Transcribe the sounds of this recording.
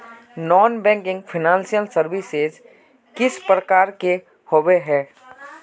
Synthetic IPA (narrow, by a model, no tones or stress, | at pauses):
nɔːnbɛ̃ŋkɪ̃ŋɡpʰɪnãːnsijəlsəɾʋɪsez | kɪspɾəkaːɾke | hoːʋeɦɛː